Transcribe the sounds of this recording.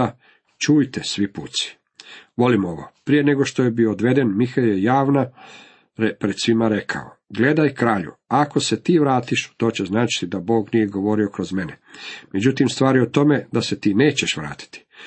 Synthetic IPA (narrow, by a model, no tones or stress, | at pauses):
a | t͡ʃuːjt̪esʋipuːt̪si̥ | ʋo̞limo̞ʋopɾije̞ne̞ɡoʃt̪ojebioːd̪ʋe̞d̪e̞nmixajejaːʋna | pɾed̪sʋimaɾekʰa̰o̰ | ɡle̞d̪ajkɾaːʎṵako̞se̞t̪iːʋɾaːt̪iʃt̪o̞ːt͡ɕeznaːt͡ʃi̥t̪id̪abo̞ːɡnijeɡoʋo̞ɾio̞kɾo̞zme̞nemed͡ʑut̪imst̪ʋaːɾiot̪o̞me̞d̪aset̪iːne̞ːt͡ɕeʃʋɾa̰ːt̪i̥t̪i̥